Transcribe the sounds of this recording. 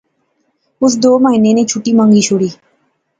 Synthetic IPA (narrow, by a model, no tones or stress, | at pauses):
ʊs̬d̪oːməɦiːnenet͡ʃʰuʈiːmə̃ŋɡiʃʰʊɽiː